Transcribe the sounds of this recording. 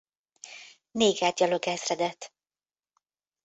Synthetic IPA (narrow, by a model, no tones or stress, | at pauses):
neːɡaːd̪̚ɟɒloɡɛzrɛd̪ɛt̪